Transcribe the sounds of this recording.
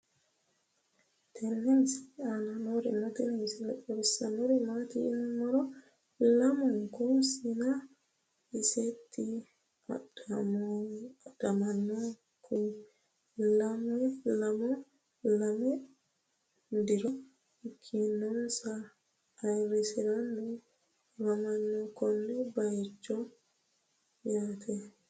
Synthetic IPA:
tʰɛnːɛnsananoɾɛ̰matinisilaɔɾsanɔɾɛmatiḭnumːɔɾɔ | lamɔŋkɔsina | isetʰːi | a̰dam | adamanːɔ | kʰu | lamɛlamɔ | lamɛ | ndiɾɔ | kʰinɔmsaː | jɾisiɾandu | lamanːɔkɔndɛbajt͡ʃːɔ | jatʰɛ

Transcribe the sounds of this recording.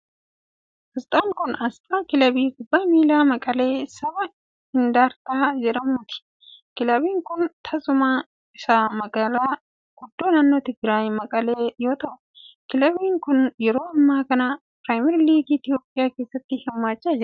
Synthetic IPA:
ɐst̪ʼaːnkʊnɐst̪ʼaːkɪlɐbiːɡʊbːaːmiːlaːmɐkʼɐle̞ːsɐbɐ | ɪnd̪aːɾt̪aːd͡ʒɛᶑɐmːʊt̪ɪ̥ | kɪlɐbiːŋkʊnt̪ʰɐzʊmaː | ɪsaːmɐɡɐlaː | ɡ̥ʊd̪ːoːnɐnːɔt̪ɪɡɾaːjmɐkʼɐleːjo̞ːt̪ɐʔʊ | kɪlɐbiːŋkʊnjɛɾo̞ːɐmːaːkɐnɐ | pɾaːjmɛɾliːɡɪt̪ɪjoːpʼːɪjaːke̞ːsːɐt̪ːɪhɪmːaːt͡ʃːaːd͡ʒɛ

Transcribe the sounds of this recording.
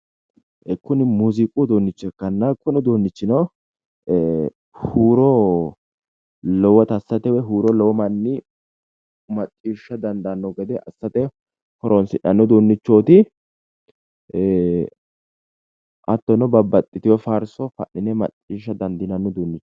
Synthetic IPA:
ʔɛkːʊnɪmuzɪkʼud̪oːnːɪt͡ʃːɛkːɐnːɐkːɔnʊd̪oːnːɪt͡ʃːɪnɐw | huːɾɔ | lɔwɐt̪ɐsːɐt̪ɛwɛɦuːɾɔlɔwɔmɐnːɪ | mɐtʼːiːʃːɐd̪ɐnd̪ɐnːɔɡɛd̪ɛʔɐsːɐt̪ɛ | hɔɾʔɔnsɪᶑɐnːɔd̪onːɪt͡ʃːo̞ːt̪ɪ | ʔɐt̪ːɔnɔbɐbːɐt̪ʼːɪt̪ɪwɛfaːɾsɔfɐ̰ʔːɪnɛmɐ̰t̪ʼːiːʃːɐd̪ɐnd̪ɪnɐnːɔd̪oːnːɪt͡ʃː

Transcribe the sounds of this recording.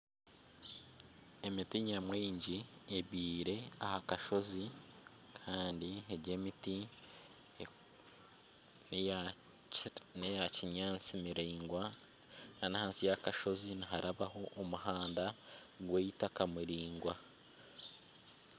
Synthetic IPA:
e̞mitiɲamwiːɲɟieβiːɾe̞ahakaʃo̞zi | kʰaːndieɟeːmiti | nejaciɲaːt͡simiɾiːŋɡwa | nanihaːnsijakaʃo̞ziniɦaɾaβaho̞ʔːmuhaːnda | ɡweːjitakamuɾiːŋɡwa

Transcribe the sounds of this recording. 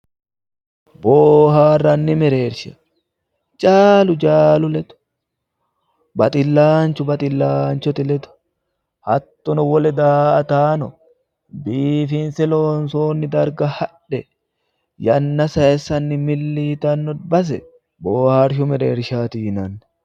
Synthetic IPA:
boːhaːrːɐnːɪmɛɾe̞ːɾʃɐ | t͡ʃʼaːlʊd͡ʒaːlʊlɛt̪ʊ̥ | bɐt̪ʼɪlːaːnt͡ʃʊbɐt̪ʼɪlːaːnt͡ʃɔt̪ɪlɛt̪ʊ̥ | hɐt̪ːɔnɔwɔlɛd̪aːʔɐt̪aːnɔ | biːfɪnsɛloːnsoːnːɪd̪ɐɾɡɐhɐᶑɛ | jɐnːɐsɐɛsːɐnːɪmɪlːiːt̪ɐnːɔd̪bɐs̬ɛ | boːhaːɾʃ̬ʊmɛɾeːɾʃaːt̪iːnɐnːɛ̥

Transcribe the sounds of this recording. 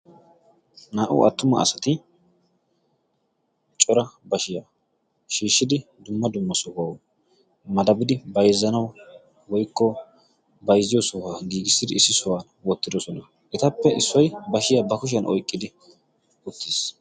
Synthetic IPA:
naːʔʊ̰ʔɐ̰t̪ːʊmɐ̰ːsɐt̪ɪ | t͡ʃʼɔɾɐbɐʃɪja | ʃiːʃːɪd̪ɪd̪ʊmːɐd̪ʊmːɐsɔhaw | mɐd̪ɐbɪd̪ɪbɐjzːɐnɐw | wɔjkːɔ | bɐjzɪjɔsɔhaɡiːɡɪsːɪd̪ɪɪsːɪsɔwaːnwɔt̪ːɪd̪ɔsɔnɐ | ʔɛt̪ɐpːɛʔɪsːɔjbɐʃɪjabɐkʊʃ̬ɐnʔɔ̰jkʼːɪd̪ɪ | ʊt̪ːiːs

